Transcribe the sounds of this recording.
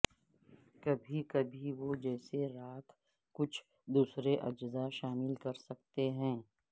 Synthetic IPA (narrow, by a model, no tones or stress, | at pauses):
kɐbʱikɐbʱiʋod͡ʒɛːseɾaːt̪ʰ | kʊt͡ʃʰ | d̪uːsɾeʔɐd͡ʒzaʃaːmɪlkɐɾsɐk̚t̪eɦɛ̃ː